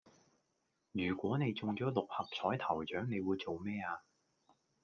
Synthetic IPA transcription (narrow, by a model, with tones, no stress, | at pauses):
jyː˨˩kʷɔː˨˥ne˨˧jt͡sʊ˨ŋt͡ʃɔː˨˥lʊ˨k̚hɐ˨p̚t͡sʰɔː˨˥jt̪ʰɐ˨˩wt͡ʃœː˨˥ŋne˨˧jwuː˨˧jt͡so˨wmɛː˥aː˧